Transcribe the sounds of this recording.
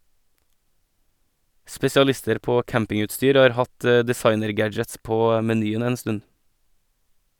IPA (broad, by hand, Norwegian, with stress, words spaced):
spɛsɪɑˈlɪstəɾ ˈpoː ˈkæmpɪŋʉtˌstyːɾ ˈɑːɾ ˈhɑt ə dɪˈsɑɪnəɾˌɡæd͡ʒəts ˈpoː mɛˈnyːən ˈeːn ˈstʉn